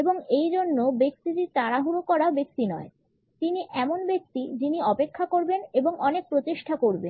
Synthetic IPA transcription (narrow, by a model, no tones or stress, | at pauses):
eboŋejd͡ʑonːobek̚t̪itit̪aɾaɦuɾokɔɾaobek̚t̪inɔe | t̪iniʔɛmonbek̚t̪id͡ʑiniɔpekʰːakoɾbeneboŋʔɔnek̚pɾot̪iʃʈʰakoɾben